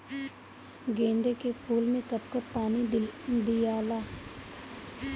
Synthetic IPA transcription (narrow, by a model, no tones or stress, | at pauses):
ɡẽːnd̪eːkeːpʰuːlmẽːkəp̚kəpaːniːd̪ijaːlaː